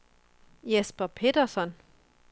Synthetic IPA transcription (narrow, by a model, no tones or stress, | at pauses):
jesb̥ɐpʰe̝d̥ɐsɒn